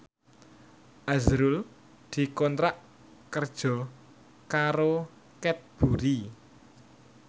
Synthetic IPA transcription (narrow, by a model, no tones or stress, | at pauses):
ʔazɾul | d̪̥i̤kɔnt̪ɾaʔ | kərd̥ʒ̥ɔ̤ | kaɾo | kɛt̪̚b̥ṳɾi